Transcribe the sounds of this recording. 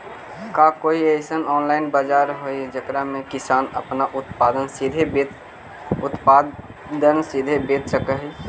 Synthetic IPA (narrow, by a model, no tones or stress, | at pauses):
kakoːiesənɔːnlaːɪnbaːd͡ʒaːɾɦoid͡ʒəkɾamẽkɪsaːnə̰pnaʔʊt̪paːd̪ənsid̪ʱebet̪ | ʊt̪pa | d̪ənsid̪ʱebeːt̪səkəɦi